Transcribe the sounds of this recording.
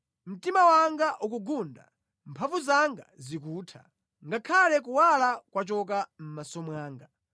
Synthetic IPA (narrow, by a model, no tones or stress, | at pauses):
m̩timawaŋɡaʔuk̬uɡunda̰ | mpʰaɱvuzaŋɡa̰zik̬uːtʰa̰ | ŋɡakʰalɛk̬uwalakwat͡ʃɔk̬am̩masɔmwaːŋɡa